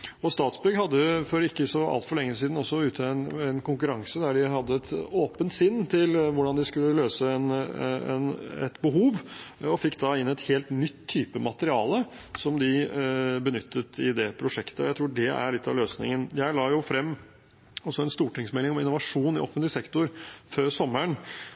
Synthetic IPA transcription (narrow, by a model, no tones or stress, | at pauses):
ɔst̪ɑːt̪sbʏɡɦɑd̪ːəfɔɾɪkːəsɔɑ̰lt̪fɔɭɛŋːəs̬iːd̪n̩ɔsːɔʉːt̪ʰnɛnkʊŋkʉɾɑŋsəd̪æɖɪɦɑd̪ːəɛt̪oːpənt̪sɪnːt̪ʰɪlʋʊɖɑnd̪ɪskʉlːəløːsəɛnɛɛ̰nɛ̰t̪bəɦuːʋɔfɪkːd̪ɑɪnːɛt̪heːlt̪nʏt̪ʰːyːpəmɑt̪əɾɪɑːlə | sɔmd̪ɪbənʏt̪ʰːət̪ɪd̪ɛpʰɾʊʂɛkt̪əɔ̰jæɪt̪ʰɾuːɖɛæ̰ɭɪt̪ːɑ̰ʋløːsnɪ̰ŋənjæɪlɑːjʊfɾɛmː | ɔsːɔɛnst̪uːʈɪŋsmɛlːɪŋɔmɪnːʊʋɑʂuːnɪʔo̰ːfənt̪lɪsɛkt̪ʊɾføːɾsɔmːəɳ